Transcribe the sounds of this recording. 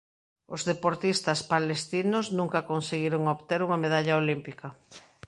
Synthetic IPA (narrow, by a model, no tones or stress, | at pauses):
ozðepoɾt̪ist̪ɐspalest̪inosnũŋkɐkonseɣiɾoŋoβt̪eɾuŋɐmeðaʎaolimpikɐ